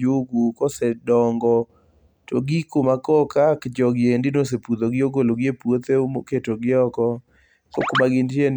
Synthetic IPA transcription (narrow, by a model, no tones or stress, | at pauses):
uɡukɔsɛdɔŋɡɔ | toɡikomakɔkakd͡ʒɔɡɪendɪnosepud̪oɡɪoɡoloɡjepwot̪eumo̰ketoɡɪɔkɔ | ko̰komaɡɪntjen